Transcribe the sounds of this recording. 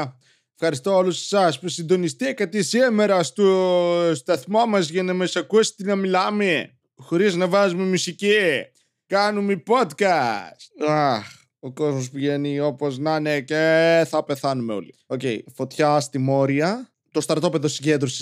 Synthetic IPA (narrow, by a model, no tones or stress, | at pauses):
efxɐɾist̪ooluse̥sɐspusind̪o̞nist̪iekɐt̪isiemeɾɐst̪ost̪ɐθmɐmɐzʝɐnɐmɐsɐkuesi̥t̪inɐmilɐme | xo̞ɾiznɐvɐzumemusici | kɐnumepod̪kɐst̪ax | oko̞zmospuʝenio̞poznɐneceθɐpe̞θɐnumeo̞̰lioceḭfo̞t̪çɐst̪imo̞ɾiɐ | t̪o̞st̪ɐɾt̪o̞peðosiɲɟend̪ɾosi̥